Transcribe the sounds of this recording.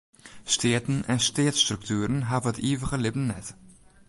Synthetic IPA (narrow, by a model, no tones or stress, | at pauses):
ʃtʰeːtn̩ɛ̰nʃteːtsʃtɾuktʰuːɾənɦaːvətiːvəʁəlɪpn̩nɛt